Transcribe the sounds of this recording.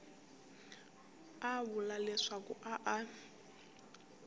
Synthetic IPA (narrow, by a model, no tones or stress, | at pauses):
aβʊlalɛʂakuʔaʔa